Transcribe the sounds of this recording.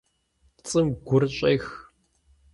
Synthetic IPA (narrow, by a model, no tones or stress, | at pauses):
t͡sʼɨmɡʷʊrɕʼɐjx